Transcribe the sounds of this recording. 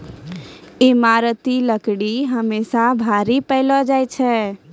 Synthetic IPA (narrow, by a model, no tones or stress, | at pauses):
ɪmaɾət̪iləkɽiɦəmesabʱaɾipəɪlɔd͡ʒaːjt͡ʃʰɛ